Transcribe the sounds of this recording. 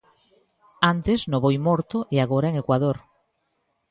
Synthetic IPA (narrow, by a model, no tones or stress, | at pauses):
ant̪eznoβojmoɾt̪oʔeaɣ̞oɾaeŋekwað̞oɾ